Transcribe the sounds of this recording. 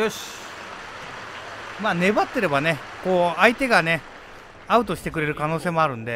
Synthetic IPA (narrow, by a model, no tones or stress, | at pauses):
maːne̞bat̪ːe̞ɾe̞bane̞ko̞ːait̪e̞ɡane̞ | aɯ̟t̪o̞ɕi̥t̪e̞k̬ɯ̟ɾe̞ɾɯ̟kano̞ːse̞ːmoaɾɯ̟̃nd̪e̞